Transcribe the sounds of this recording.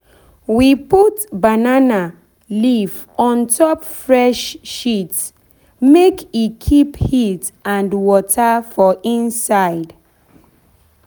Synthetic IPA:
wiputbanana | lif | ɔ̃ntʰɔpfɹɛʃːit | mekikʰiphitãndwɔtʰafɔʔĩnsaɪd

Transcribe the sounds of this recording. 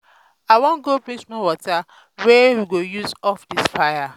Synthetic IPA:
awɔ̃nɡobĩt͡ʃmãwɔta | wɛwiɡojuzɔfdisfaja

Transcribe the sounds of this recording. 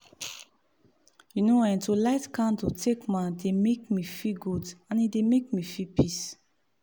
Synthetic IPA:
junoãj̃ntulaɪtkãntutʰekmãndemekmifiɡudãnidemek̚mifipʰis

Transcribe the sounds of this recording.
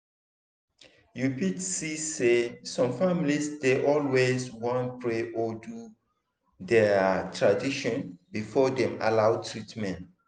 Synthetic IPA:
jupitsisesɔ̃mfamlisdeʔɔlweswɔ̃npʰɹeʔɔdu | dɛtʰɹadiʃɔ̃nbifɔdɛ̃ma̰lawtʰɹitmɛ̃n

